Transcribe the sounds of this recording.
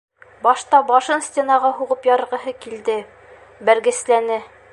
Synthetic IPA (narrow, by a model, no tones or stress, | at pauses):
bɒʃt̪ɑbɒʃɤnsʲtʲenɑʁɑɦuʁɤpjɒɾɤ̆ɾʁɤ̆ɦɤkild̪ɘ | bæɾɡɘ̆slænɘ